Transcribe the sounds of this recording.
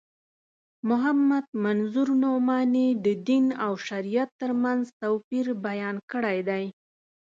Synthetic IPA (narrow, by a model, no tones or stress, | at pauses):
mʊɦamːad̪̚manzuɾnomɑnid̪əd̪inawʃaɾijat̪ːəɾmanzt̪awpiɾbajɑnkəɽajd̪aj